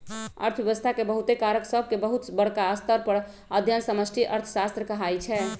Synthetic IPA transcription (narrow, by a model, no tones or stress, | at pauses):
ə̰ɾt̪ʰjəʋəst̪ʰakebəɦut̪ekaɾəksəbʱkebəɦut̪bəɽkaəst̪əɾpəɾ | əd̪ʱjənsəməsʈʰiʔəɾt̪ʰə̥sast̪ɾəkəɦajt͡ʃʰɛ